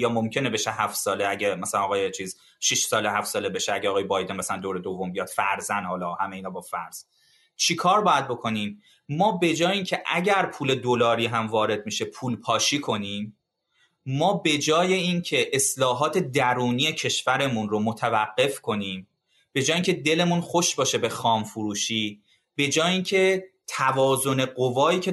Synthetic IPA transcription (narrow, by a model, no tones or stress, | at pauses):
jɒːmomcʰe̞ne̞be̞ʃehæft̪sɒːleæɟemæsælænɒɣɒːjet͡ʃʰiːz | ʃiʃsɒːleɦæft̪sɒːle̞be̞ʃeæɟeɒɣɒːjebɒjd̪enmæsælænd̪oːɾe̞d̪ovːombijɒd̪̥fæɾzænhɒlɒːhæmeiːnɒːbɒːfæɾz̥ | t͡ʃʰikʰɒːɾbɒːjæd̪̚bo̞kʰo̞niːm | mɒːbe̞d͡ʒɒːjeiːncʰe̞ʔæɟæɾpʰuːle̞d̪olɒːɾiːɦæmvɒːɾe̞d̪̚miʃe̞pʰuːlpʰɒːʃiːkʰo̞niːmː | ɒːbe̞d͡ʒɒːje̞iːncʰe̞ʔeslɒːɦɒːt̪ʰe̞d̪æɾuːnije̞cʰe̞ʃvæɾe̞munromot̪ʰævæɢːe̞fkʰo̞niːm | b̥e̞d͡ʒɒːjeiːŋcʰe̞d̪e̞le̞munxo̞ʃbɒːʃe̞be̞xɒːmfuɾuːʃiː | b̥e̞d͡ʒɒːjiːncʰe̞ | t̪ʰævɒːzo̞ne̞ɢovɒːiːcʰe